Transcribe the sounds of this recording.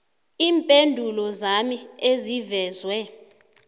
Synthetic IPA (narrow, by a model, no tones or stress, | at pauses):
iːmpʼendʱulɔzamiezivɛːzwɛ